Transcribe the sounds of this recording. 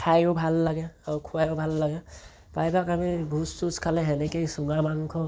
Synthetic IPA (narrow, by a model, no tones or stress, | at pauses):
tʰajɔbʱalːaɡɛaɹukʰuwajɔbʱalːaɡɛ | pajbakamibʱustuskʰalɛɦɛnɛkejsuŋɡamankʰɔ